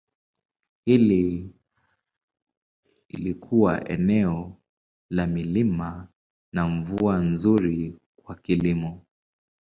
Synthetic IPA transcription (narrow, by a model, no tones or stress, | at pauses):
hili | ḭlikʰuwa̰ʔɛ̰nɛɔ | lamilima | naɱvuanzuɾi | kwakilimɔ